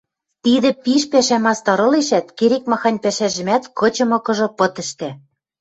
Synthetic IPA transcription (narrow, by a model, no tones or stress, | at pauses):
t̪id̪ɘ̆piʃpæʃæmɑst̪ɑɾɤ̆leʃæt̪keɾek̚mɑxɑnʲpæʃæʒɘ̆mæt̪kɤ̆t͡ɕɤ̆mɤ̆kɤ̆ʒŏpɤ̆t̪ə̆ʃt̪æ